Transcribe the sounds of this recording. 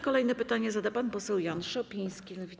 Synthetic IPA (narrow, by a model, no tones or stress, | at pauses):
kɔlɛjnɛpɘt̪aɲɛzad̪apanpɔsɛwjanʂɛɔpʲij̃skʲilɛvʲi